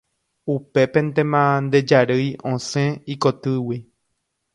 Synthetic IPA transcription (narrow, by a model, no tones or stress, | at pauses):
upe̞pẽnt̪ẽmãnd̪ed͡ʒaɾɨjõsẽikot̪ɨwi